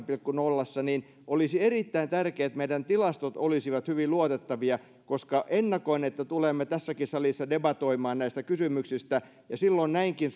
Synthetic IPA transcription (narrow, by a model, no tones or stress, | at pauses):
pilkkunolːɑsːɑniːn | ʔolisierit̪ːæint̪ærkeːt̪meidænt̪ilɑst̪ot̪olisiʋɑt̪hyʋiluot̪et̪ːɑʋiɑ | koskɑʔenːɑkoinet̪ːæt̪ulemːet̪æsːækisɑlisːɑdebɑt̪oimɑːnnæist̪ækysymyksist̪æ | jɑsilːoinnæiŋkin